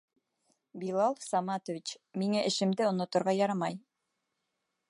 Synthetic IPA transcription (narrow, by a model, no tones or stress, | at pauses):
bilˠɑlˠsɑmɑt̪ŏvʲit͡ɕmiŋæʔɘ̆ʃɘ̆md̪ɘŏnŏt̪ŏɾʁɑjɑɾɑmɑj